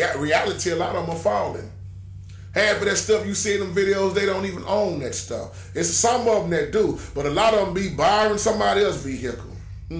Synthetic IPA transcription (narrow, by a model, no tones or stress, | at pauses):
ɹiælˠəɾiəlɑɾʌṽməfaʊ̃ndɪ̰̃ŋ | hæbʌðɨtstʌfjɨsĩnə̃ɱvɪɾioʊzðeɪɾõʊ̃ntivɨ̃nõʊ̃nðɨtstʌ̰f | ɪtssʌ̃mʌvn̩ɨt̚d̥ub̥ʌɾəlɑɾʌvə̃mbibaɹɪ̃nsʌ̃mbɑɾiɛlˠsviɦɨkl̩ˠ